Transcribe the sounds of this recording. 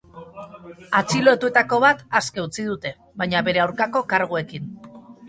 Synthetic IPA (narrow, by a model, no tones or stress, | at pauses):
at͡silo̞et̪ue̞t̪ako̞β̞at̪askeut͡siðut̪e̞ | βajɲaβe̞ɾe̞awɾkako̞kaɾɣ̞ue̞kin